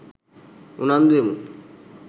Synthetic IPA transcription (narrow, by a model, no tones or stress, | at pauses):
unand̪uemu